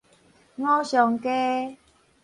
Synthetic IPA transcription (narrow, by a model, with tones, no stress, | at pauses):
ŋɔ̃˦ɕjɔ˨˩ŋke˦